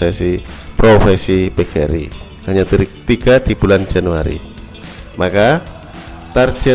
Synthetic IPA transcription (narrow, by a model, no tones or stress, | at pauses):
ɛsipɾofɛsipɛɡɛ̰ɾḭ | haɲat̪iɾik̚t̪iɡad̪ib̥uland͡ʒanuaɾḭ | maka | t̪ard͡ʒɛ